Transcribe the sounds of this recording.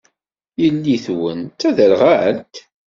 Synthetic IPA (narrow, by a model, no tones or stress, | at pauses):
jəlːiθwənt̪æðəlʁaʕəlt̪